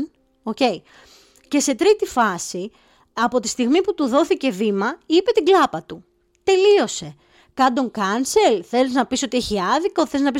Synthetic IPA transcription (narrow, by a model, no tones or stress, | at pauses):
oce̞i | ce̞se̞t̪ɾit̪ifɐsi | ɐpo̞t̪i̥st̪iɣmiput̪uðo̞θice̞vimɐipe̞t̪iɡlɐpɐt̪u | t̪e̞lio̞se̞ | kɐnd̪o̞ŋkɐnse̞lθe̞liznɐpiso̞t̪ieçiɐðiko̞θe̞liznɐpis